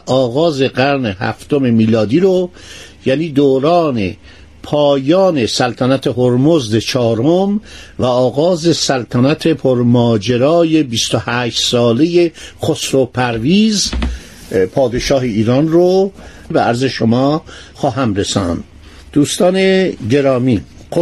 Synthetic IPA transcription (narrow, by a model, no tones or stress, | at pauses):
ʔɒːɣɒːze̞ɡæɾne̞hæ̰ft̪o̞me̞miːlɒːd̪iːɾo | jæniːd̪oːɾɑɒːne̞̰ | pʰɒːjɒːne̞sælt̪ʰænæt̪ʰe̞ɦoɾmozd̪et͡ʃʰɒːɾomvæɒːɣɒːze̞sælt̪ʰænæt̪ʰe̞pʰoɾmɒːd͡ʒeɾɒːje̞bist̪ohæːʃt̪sɒːleje̞xosɾopʰæɾviːz | pʰɒːd̪e̞ʃɒːɦeiːɾɑːnro | beæɾze̞ʃomɒː | xɒːɦæmɾesɒ̰ːnd̪ | d̪̥uːst̪ɒːne̞ɟe̞ɾɒːmi